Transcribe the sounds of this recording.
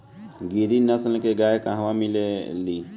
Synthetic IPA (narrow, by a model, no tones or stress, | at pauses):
ɡiɾinəsəlkeɡajkaɦʋamileli